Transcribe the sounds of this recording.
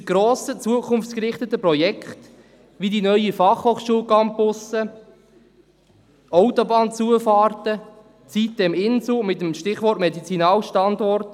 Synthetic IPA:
ɡ̥ɾoːsət͡suəkʰʊnft͡skɾɪχtət̪əpɾɔjɛkχt | ʋidinœʏifɑχhoːχʃuəlkɑmpʊsə | ɔʊt̪ɔbɑːnt͡suəfɑːrtə | t͡sit̚d̪ɛmɪnsumɪt̪əmʃtɪχʋɔrtmɛdit͡sinɑːlʃtɑndɔrt

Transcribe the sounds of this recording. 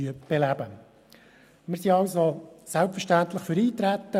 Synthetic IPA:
yəb̥elæbə | mɪɾsiɑlsosælpfərʃtænt̪ləχføɾiːt̪ɾæt̪ːə

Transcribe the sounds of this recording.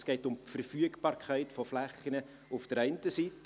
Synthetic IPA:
sɡ̥ɛɪtʊmtfəɾfyəɡb̥ɑːɾkʰæɪtfɔflæχːənə | ʊfd̥əɾɛɪntəsit

